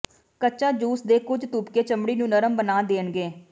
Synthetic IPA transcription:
kətːt͡ʃaːd͡ʒuːsd̪eːkʊd͡ʒt̪uːpkeːt͡ʃəmɽiːnũːnəɾəmbənaːd̪eːnɡeː

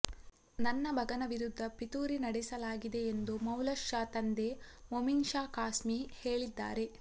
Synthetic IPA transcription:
nɐnːɐbʱɐɡɐnɐʋiɾud̪ʱːɐpit̪uːɾinɐɽɛsɐlaːɡid̪e̞ːnd̪umɐwlɐʃjaːt̪ɐnd̪e̞mominʃaːkaːsmiheːɭid̪ːa̰ːɾe̞

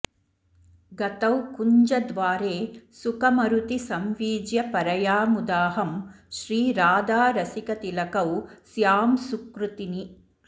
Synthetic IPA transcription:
ɡɐt̪ɐwkuɲd͡ʒɐd̪ʋaːɾeːsukɐmɐɾut̪isɐmʋiːd͡ʒjɐpɐɾɐjaːmud̪aːɦɐm | ʃɾiːɾaːd̪aːɾɐsikɐt̪ilɐkɐwsjaːmsukɾut̪ini

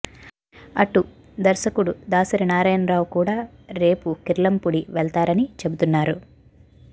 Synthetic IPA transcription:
ɐʈu | d̪ɐɾsɐkuɽud̪aːsɐɾinaːɾɐːjɐnɾaːwkuːɽaː | ɾe̞ːpukiɾlɐmpuɽiʋɛɭt̪aːɾɐnit͡ʃe̞but̪unːaːɾu

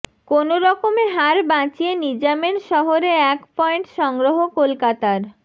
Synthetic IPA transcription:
konoɾɔkomeɦaɾbãt͡ɕienid͡ʑamenʃɔɦoɾeɛkpɔeɳʈʃɔŋɡɾoɦokolkat̪aɾ

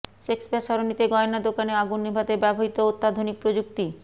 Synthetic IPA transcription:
ʃekspaʃɔɾonit̪eɡɔenad̪okaneaɡunːebʱad̪ebɛboɦit̪oot̪ːad̪ʱonik̚pɾod͡ʑuk̚t̪i

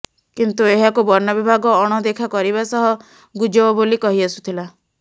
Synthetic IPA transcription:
kint̪ueɦakubɔɾnɔbibʱaɡɔːɽ̃ɔd̪ekʰakɔɾiβasɔɦɔ | ɡud͡ʒɔɔbolikɔɦiasu̥t̪ʰila

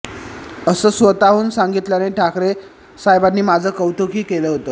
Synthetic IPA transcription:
əsəːsʋət̪aʋuːnsaŋɡit̪ljaneʈʰakɾe | sajbanːiːmad͡zʱəːkəwt̪ʰokiːkeləɦot̪ə

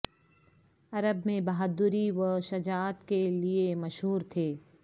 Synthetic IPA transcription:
ɐɾəbmẽbɐɦad̪ʊɾiʋɐʃɐd͡ʒaːt̪keliemɐʃɦuːɾt̪ʰeː

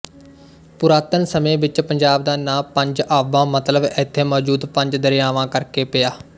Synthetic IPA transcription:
pʊɾaːt̪ənsəmẽːʋɪt͡ʃpəɲd͡ʒaːbd̪aːnãːpə̃ɲd͡ʒaːʋãːmət̪ləbɪt̪ʰːeːmɔːd͡ʒuːd̪pəɲd͡ʒd̪əɾɪjaːʋãːkəɾkeːpɪaː

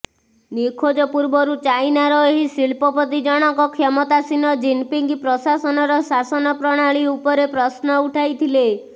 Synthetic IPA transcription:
nikʰod͡ʒɔpuɾbɔɾut͡ʃajnaɾɔeɦisiɭpɔpɔt̪id͡ʒɔɽ̃ɔŋkɔkʰɔmɔt̪asinɔd͡ʒinpiŋɡipɾɔsasɔnɔɾɔsasɔnɔpɾɔɽ̃aɭiupɔɾepɾɔsnɔuʈʰajt̪ʰile

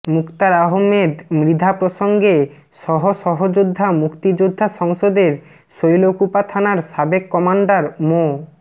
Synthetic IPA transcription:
mukt̪aɾaɦomːed̪mɾid̪ʱapɾoʃoŋɡe | ʃɔɦoʃɔɦod͡ʑud̪ʱːamukt̪id͡ʑud̪ʱːaʃɔŋʃod̪eɾ | ʃojlokupat̪ʰanaɾʃabekːɔmaɳɖaɾmo

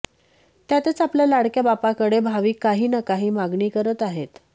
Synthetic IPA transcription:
t̪jat̪et͡sapljalaɽkjabapakəɽebʱaʋiːkːaɦiːnakaɦiːmaɡɳiːkəɾət̪aɦet̪

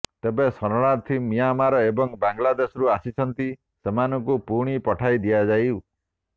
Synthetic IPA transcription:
t̪ebesɔɾɔɽ̃aɾt̪ʰimijamaɾɔebɔŋbaŋɡlad̪esɔɾuasit͡ʃʰɔnt̪i | semanɔŋkupuɽ̃ipɔʈʰajd̪ijad͡ʒaju

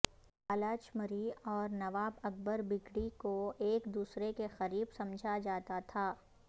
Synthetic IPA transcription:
alaːt͡ʃməɾiɔːɾnɐʋaːbɐk̚bəɾbɪkɽikoeːkd̪uːsɾekexɐɾiːbsɐ̃md͡ʒʱad͡ʒaːt̪at̪ʰaː

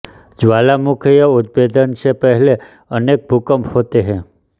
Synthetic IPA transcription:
d͡ʒʋalamukʰjəud̪̚bed̪ənt͡ʃʰepəɦle | ənek̚bʱukəmhot̪eɦẽ

